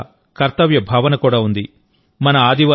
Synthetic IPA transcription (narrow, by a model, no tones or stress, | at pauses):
kɐɾt̪ɐʋjɐbʱaːʋɐnɐkuːɽaːund̪i | mɐnɐaːd̪ʱiʋa